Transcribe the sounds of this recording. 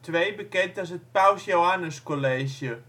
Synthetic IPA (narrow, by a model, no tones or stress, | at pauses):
tʋejbəkɛntɔsət̚pawsjowanəskoleːʃjə